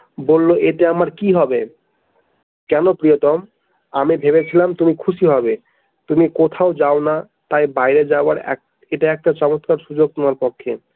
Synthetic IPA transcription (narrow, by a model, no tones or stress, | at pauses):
bolːoʔeʈeamaɾkiɦɔbe | kɛnopɾijot̪ɔm | amibʱeβet͡ɕʰilamt̪umikʰuʃiɦɔbe | t̪umikot̪ʰaod͡ʑaona | t̪ajbajɾed͡ʑaoaɾɛ̰k̚ | eʈaɛk̚ʈat͡ɕɔmot̪kaɾʃud͡ʑoɡ̚t̪omaɾpokʰːḛ